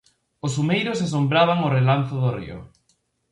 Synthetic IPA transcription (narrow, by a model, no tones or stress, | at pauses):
osumejɾosas̬ombɾaβ̞aŋorelanθoðorḭʊ̰